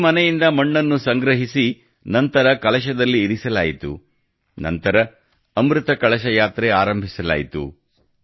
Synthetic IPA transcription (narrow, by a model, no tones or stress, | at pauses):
mɐnɛjind̪ɐmɐɳːɐnːusɐŋɡɾɐɦisi | nɐnt̪ɐɾɐkɐɭɐʃ̬ɐd̪ɐlːiːɾisɐlaːjit̪ṵ | nɐ̰nt̪ɐɾɐː | mɾut̪ɐkɐɭɐʃɐjaːt̪ɾeaːɾɐmbʱisɐla̰ːjit̪ṵ